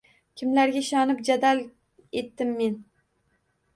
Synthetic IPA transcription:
kʲʰɪmlaɾɡʲaɪʃɒnɪpd͡ʒad̪al | e̞t̪ːɪmːe̞n

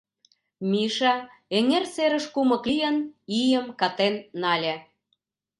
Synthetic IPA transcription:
miʃɑ | eŋerseɾə̆ʃkumɤ̆klijənijəmkɑt̪enːɑlʲe

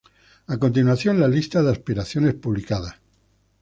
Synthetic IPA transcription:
ako̞nt̪inwaθjõ̞nlalist̪aðeaspiɾaθjo̞nespuβlikaða

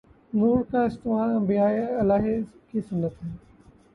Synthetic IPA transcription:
nuːɾkaɪst̪ɪmaːlɐ̃mbijaːiɐlaːɦekisʊnːət̪ɦɛː

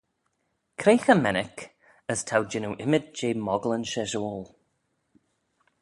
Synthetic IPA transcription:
kʰɾeːxəmɛnɪk | əstʰawd͡ʒɪnuʔɪmɪdd͡ʒeːmɔɡlənʃɛʒolˠ

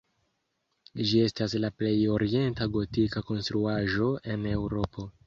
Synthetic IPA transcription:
d͡ʒie̞staslaple̞jo̞ɾie̞ntaɡo̞tikako̞nstɾuaʒo̞e̞ne̞wɾo̞pʰo̞

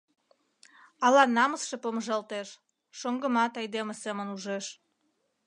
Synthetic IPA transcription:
ɑlɑnɑməsʃepoməʒɑlt̪eʃ | ʃoŋɡə̆mɑt̪ɑjd̪emesemənuʒeʃ

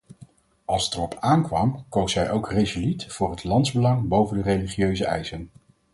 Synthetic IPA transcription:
ɑlˠsətərɔpʰaːnkʋɑmkowsɛjʔowkrezulitfʊːɹɦətlɑntzbəlɑŋbowvəndərejliχiøɥzəɛ̰jsən

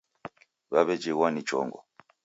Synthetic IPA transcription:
βaβɛd͡ʒɛwanit͡ʃɔ̰ŋɡɔ

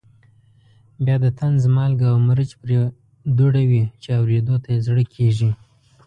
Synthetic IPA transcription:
bjɑd̪ət̪anzmɑlɡawməɾət͡ʃpɾe | d̪uɽawit͡ʃeawɾed̪ot̪ajezɽəkʰeʐi

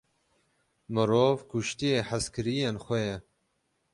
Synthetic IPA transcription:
mɨɾoːvkuʃt̪ijeːħəskɨɾijenxʷɛjɛ

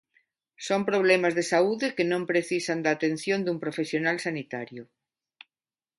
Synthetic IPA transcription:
sompɾoβ̞lɛmazðesauðekenõmpɾeθisand̪aːt̪en̟θjond̪umpɾofesjonalsanit̪aɾjʊ

